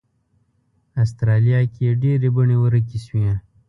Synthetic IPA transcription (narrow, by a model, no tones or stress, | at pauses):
as̬t̪ɾɑlijɑkieɖeɾebəɳewəɾək̬iswiẽ